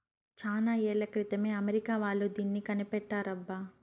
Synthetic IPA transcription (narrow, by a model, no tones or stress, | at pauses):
t͡ʃaːnaːɛːɭɐkɾit̪ɐme̞ːɐmeɾikaːʋaːɭːud̪iːnːikɐnipɛʈːaːɾɐbːa